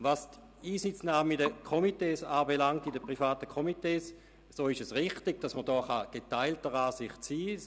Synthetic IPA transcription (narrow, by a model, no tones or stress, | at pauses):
vast | iːsɪt͡snaːmidəkʰomiteːsaːbelaŋ̚tidəpʁifaːtəkʰomiteːs | soːɪʃəsʁɪχtɪɡ̥̚d̥asmədɔːχaɡ̥etaɪltəʁaːsɪχtt͡siː